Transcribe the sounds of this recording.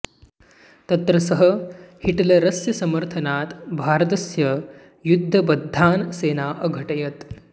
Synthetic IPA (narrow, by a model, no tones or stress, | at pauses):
t̪ɐt̪ɾɐsɐɦɐhiʈɐlɐɾɐsjɐsɐmɐɾt̪ʰɐnaːt̪bʱaːɾɐt̪ɐsjɐ | jud̪ʱːɐbɐd̪ʱːaːnseːnaːʔɐɡʱɐʈɐjɐt̪